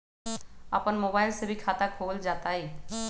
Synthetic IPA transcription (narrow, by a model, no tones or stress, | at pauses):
a̰pənmoːbaɪlsebʱikʰat̪akʰoːld͡ʒaːt̪ai